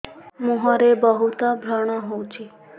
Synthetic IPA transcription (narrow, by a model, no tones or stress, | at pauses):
mũɦaɾebɔɦut̪ɔbʱjaɽ̃aɦowt͡ʃʰi